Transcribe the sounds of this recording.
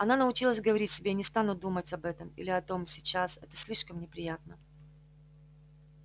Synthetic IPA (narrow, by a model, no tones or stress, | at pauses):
ɐnanəʊt͡ɕilˠəsʲɡəvɐɾʲitʲsʲɪbʲenʲɪst̪anʊd̪umətʲɐbɛt̪əmḭlʲɪɐt̪o̞msʲɪt͡ɕasɛt̪ə̥sʲlʲiʂkəmnʲɪpɾʲɪjat̪̚nə